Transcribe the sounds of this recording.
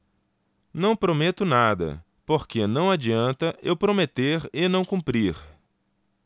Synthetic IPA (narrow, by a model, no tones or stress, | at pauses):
nɐ̃w̃pɾomet̪ʊnad̪ɐ̰ | poɾkenɐ̃w̃ad͡ʒiɐ̃nt̪ɐʔewpɾomet̪eɾɪnɐ̃w̃kũmpɾiɾ